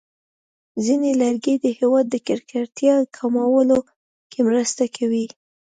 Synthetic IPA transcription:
zinelaɾɡed̪əhewɑd̪ːəkɪɾkaɾt̪jɑkʰamawəlo | kemɾəst̪akʰawi

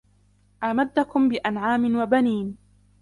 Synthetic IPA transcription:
ʔaːmad̪ːakʊmbɪʔanʕaːmɪnwabaniːn

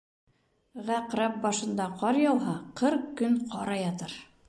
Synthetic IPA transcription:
ʁæqɾæp̚bɑʃɤ̆nd̪ɑqɑɾjɑw̪ˠɦɑqɤɾqkːɵnqʰɑɾɑjɑt̪ɤɾ

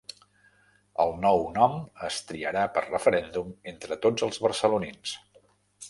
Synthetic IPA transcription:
ə̰lˠnɔwnɔməst̪ɾiəɾapərrəfəɾɛnd̪ument̪ɾət̪od͡zəlˠzβərsəlunins

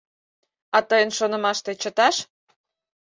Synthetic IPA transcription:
ɑt̪əjənʃonə̆mɑʃt̪et͡ɕət̪ɑʃ

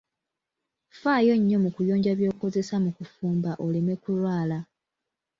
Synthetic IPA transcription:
faːjo̞ɲːo̞mukujo̞ːɲɟaβjo̞ːko̞ze̞samukufuːmbaʔo̞leme̞kulwaːla

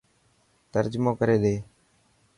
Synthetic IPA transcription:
t̪əɾd͡ʒmõːkəɾeːd̪eː

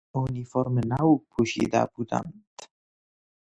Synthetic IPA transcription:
unʲifɔɾmɘnauk̚pʰuɕḭd̪a̰bud̪a̰nt̪

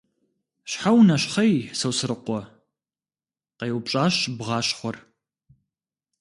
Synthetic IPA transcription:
ɕħawnɐɕχɐjsɐwsɨɾɨqʷɔ | qejwpɕʼaːɕbʁɑːɕχʷɔr

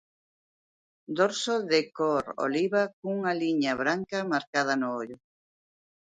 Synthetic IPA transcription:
d̪oɾsoðekoɾo̰liβakuŋaliɲɐβɾaŋkɐmaɾkað̞ɐnʊoʎʊ

